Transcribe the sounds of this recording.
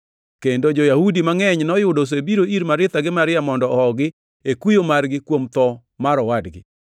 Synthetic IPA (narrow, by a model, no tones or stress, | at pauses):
kendod͡ʒojahudimaŋɛɲnɔjʊdos̬ebiɾoiɾmaɾɪt̪aɡɪmaɾɪamɔndɔɔɦɔɡɪ | ekujomarɡɪkwomt̪ɔ | maɾɔwadɡɪ̰